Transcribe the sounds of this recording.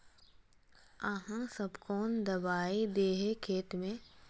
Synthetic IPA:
aɦãsɐbkɔːnd̪ɐbaːid̪eːɦekʰeːt̪mẽ

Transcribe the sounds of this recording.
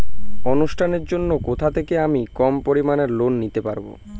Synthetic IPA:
onuʃʈʰaneɾd͡ʑonːokot̪ʰat̪ʰekeamikɔmpoɾimaneɾlonːit̪epaɾbo̰

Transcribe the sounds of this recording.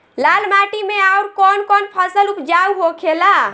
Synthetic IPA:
lalmaʈimeauɾkɔnkɔnpʰəsəlupd͡ʒauɦokʰela

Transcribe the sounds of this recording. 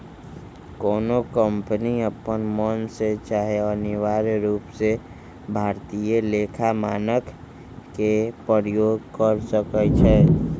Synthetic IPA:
kɔːnokəmpəniəpənmɔnset͡ʃaːɦeɔːɾnɪʋaːɾɾuːpse | bʱaːɾt̪ijeleːkʰamaːnəkʰ | kepəɾjoːɡkəɾsəkət͡ʃʰɛː

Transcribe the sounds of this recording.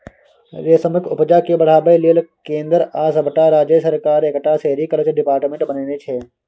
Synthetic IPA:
ɾeːsəməkʰʊpd͡ʒaːkebɐɽ̤aːbeliəlkẽːnd̪əɾaːsɐbəʈaɾaːd͡ʒesɐɾkaːɾekʈaseːɾikələt͡ʃɖɪpaːɾʈmẽɳʈbɐneːnet͡ʃʰeː

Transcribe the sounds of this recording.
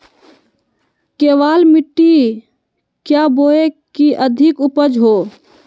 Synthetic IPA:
keːʋaːlmɪʈːi | kjaboːekiʔəd̪ʱɪkʊpəd͡ʒɦoː

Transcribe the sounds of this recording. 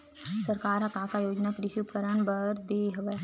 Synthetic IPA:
sɐɾkaːɾakaːkajoːd͡ʒnakɾɪʃup̚kəɾəɳbɐɾd̪eːɦɐʋɛ

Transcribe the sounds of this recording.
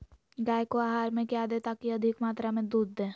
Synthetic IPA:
ɡaːjkoaːɦaːɾmẽkjad̪et̪akiɐd̪ʱɪkmaːt̪ɾamẽd̪uːd̪ːẽː

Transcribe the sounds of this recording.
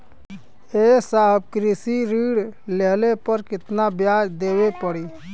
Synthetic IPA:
eːsaːbkɾɪsiɾiːɽleːlepəɾkɪt̪nabjaːd͡ʒd̪eːʋepəɽiː

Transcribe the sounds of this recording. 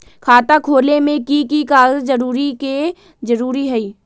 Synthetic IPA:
kʰaːt̪akʰoːlemẽkikikaːzd͡ʒəɾuːɾike | d͡ʒəɾuːɾiɦɛiː

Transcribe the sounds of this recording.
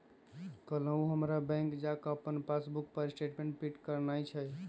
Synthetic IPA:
kələ̃ũɦəmɾabɛ̃ŋkd͡ʒakəəpːənpasbukpəɾsʈeʈmẽɳʈ̚piʈkəɾnajt͡ʃʰəj

